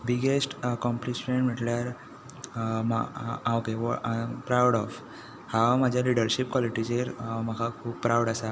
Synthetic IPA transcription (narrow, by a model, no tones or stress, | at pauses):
biɡesʈkɔ̃mplisfeɳɖm̤iʈljaɾ | maãwkeʋɔapɾawɽɔf | hamad͡ʑʱjaliɖəɾɕip̚kʋɔliʈit͡ɕeɾməkʰakʰuːppɾawɽasa